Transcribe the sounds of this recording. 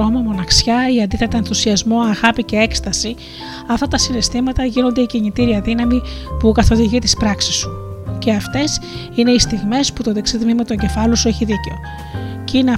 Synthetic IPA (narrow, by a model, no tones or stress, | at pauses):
omɐmo̞nɐksçɐiɐnd̪iθet̪ɐenθusiɐzmo̞ɐɣɐpice̞e̞kst̪ɐsi | ɐft̪ɐt̪ɐsinest̪imɐt̪ɐʝino̞nd̪e̞iciɲit̪iɾiɐðinɐmipukɐθo̞ðiʝit̪ispɾɐksisu̥ce̞ɐft̪e̞s | ine̞ist̪iɣme̞sput̪o̞ðeksiðmimɐt̪o̞ɲɟe̞fɐlosue̞çiðiceo̞ | ceineɐ